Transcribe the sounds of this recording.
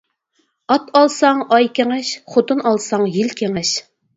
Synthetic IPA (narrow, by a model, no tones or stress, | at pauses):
ɑt̪ɑlˠsɑŋɑjkʲʰeŋɪʃχot̪ɨnɑlˠsɑŋjilkʲʰeŋɪʃ